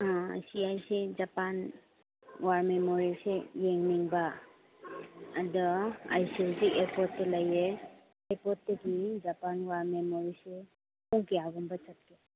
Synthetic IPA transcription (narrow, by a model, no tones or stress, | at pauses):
siajsed͡ʒapan | waɾmemoɾisejeŋniŋbɐ | dɔa̰jsilsiʔeɾpɔtːɐlɐje | eɾpɔtdɐɡid͡ʒapanwaɾmemoɾise | puŋkejaɡumbɐt͡ʃat̚ke